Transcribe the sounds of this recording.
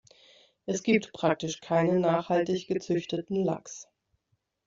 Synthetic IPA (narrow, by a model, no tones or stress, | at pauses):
ʔɛsɡ̥iːp̚tpʁ̥ak̚tɪʃkʰaɪnənaːχhaltɪçɡ̥ət͡sʏçtətn̩la̰ks